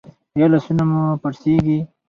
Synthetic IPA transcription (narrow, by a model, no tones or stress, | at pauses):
jɑlasunamupaɾseɡi